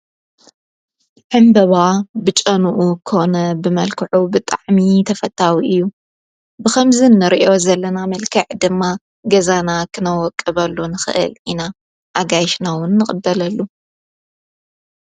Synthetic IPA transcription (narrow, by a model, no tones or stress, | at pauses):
ʕɨmbɐβabɨt͡ʃʼɐnuʔukʰɨhonɐbɨmɐlkʰɨʕubɨt̪ʼa̰ʕmit̪ʰɐfɐt̪ʰʼːawiʔɨjːu | bɨxɐmzɨnːɨɾiʔo̞zɐlːɐnamɐlkʰɐʕd̪ɨmːa | ɡɐzanakʰɨnɐwɔkʼːɨβɐlːunɨxɨ̰ʔɨ̰lʔina | ʔaɡajʃnawʊnːɨχʼɨd̪ːɐlɐlːu